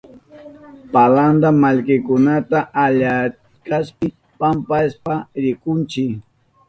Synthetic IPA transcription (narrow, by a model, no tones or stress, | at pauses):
paland̪amaʎkɪkʊnat̪aʔaʎat | kaspɪ | pampaspaɾɪkʊnt͡ʃɪk